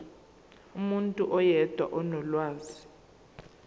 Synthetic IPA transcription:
umuntʼuʔɔjɛd̥ʱwa̰ʔɔnɔlwaːzi

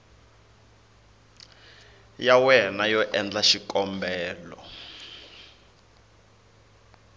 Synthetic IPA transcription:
jawɛnajɔʔɛnd͡ɮaʃikʼɔmbɛːlɔ̰

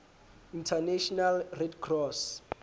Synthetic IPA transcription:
intʰaneʃɔnalrɛdɡrɔs

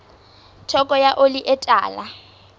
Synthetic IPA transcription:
tʰɔkʼɔjaʔoliʔɛtʼa̰ːla

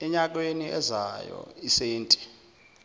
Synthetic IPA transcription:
ɛɲak̬weniʔɛzajɔ̰iseːntʼi̥

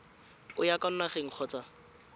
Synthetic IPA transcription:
ʊjakan̩naχeŋ̩q͡χʰɔːt͡sa

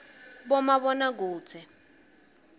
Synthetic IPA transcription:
ɓɔmaɓɔnak̬uːt͡sʰɛ

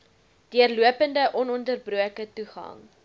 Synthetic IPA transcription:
d̥iərluəpəndəʔɔnɔndərbruəkətuχɐ̰ŋ

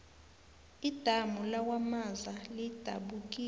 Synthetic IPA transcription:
id̥ʱamulawamazalid̥ʱa̰ɓuk̬ʼiː

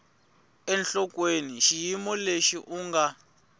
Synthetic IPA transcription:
ɛnɬɔk̬ʼweniʃijimɔleʃiʔuːŋɡa

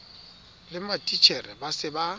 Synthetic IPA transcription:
lɪmatʼit͡ʃʰɛrɛbasɪba

